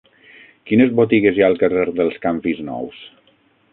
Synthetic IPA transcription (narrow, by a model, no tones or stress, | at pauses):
kinəzβot̪iɣezjalˠkəreɾðəlˠskampiznɔ̰ws